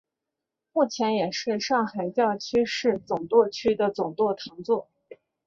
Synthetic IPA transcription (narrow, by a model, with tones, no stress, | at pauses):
mu˥˩t͡ɕʰjɛ˧˥njɛ˨˩ʂɻ̩˥˧ʂɑ˥˩ŋxa˨˩ɪt͡ɕjɑ˥˩ʊt͡ɕʰy˥ʂɻ̩˥˩t͡sʊ˨˩ŋt̪wɔ˥˧t͡ɕʰy˥d̪ə˨t͡sʊ˨˩ŋt̪wɔ˥˩t̪ʰɑ˧˥ŋt͡swɔ˥˩